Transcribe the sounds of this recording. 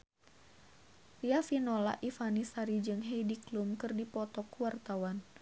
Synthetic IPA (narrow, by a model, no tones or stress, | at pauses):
riafinola̰ʔifanisaɾid͡ʒɨŋɦɛjdiklumkɨrdipɔt̪ɔkuwart̪awan